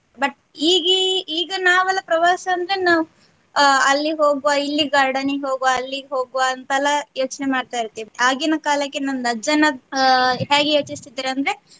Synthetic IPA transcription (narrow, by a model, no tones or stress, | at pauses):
bɐʈ | iːɡiiːɡɐnaːʋɐlːɐpɾɐʋaːsɐɐnd̪ɾe̞naːʋu | ɐlːiɦo̞ːɡuʋailːiɡaːɾɖɐniɦoːɡʋaɐlːiɦoːɡuʋaːnt̪ɐlːɐjo̞ːt͡ʃnemaːɖt̪aːjiɾt̪ːiʋiaːɡinɐkaːlɐkːenɐnd̪ɐd͡ʒɐnɐ | ɦeːɡeɦet͡ʃːist̪id̪ːiːɾɐnd̪ɐɾe̞